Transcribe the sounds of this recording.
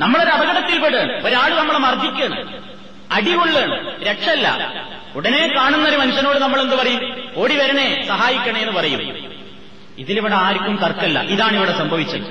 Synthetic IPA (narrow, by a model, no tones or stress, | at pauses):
nɐmːɐɭoɾɐbʱɐɣɐɽɐt̪ːilpeɽeːɳɐ̰oɾaːɭɨnɐmːɐɭmɐrd̪ʱikʲːɐɳɐ̰m | ɐɽiɣoɭːeːɳɐmɾekʂɐɐlːɐ̰ | uɽɐne̞ːkaːɳunːɐɾumɐnuɕːɐnoːɽɨnɐmːɐɭenːɨpɐrɐjumo̞ːɽiʋɐɾɐɳe̞sɐɦaːjikʲːɐɳɐme̞nːɨpɐrɐjumː | iðiliʋiɽeaːɾikʲːumt̪ɐrkːɐlːɐ̰ʔiðaːɳiʋiɽesɐmbʱɐʋit͡ɕːɐðɨ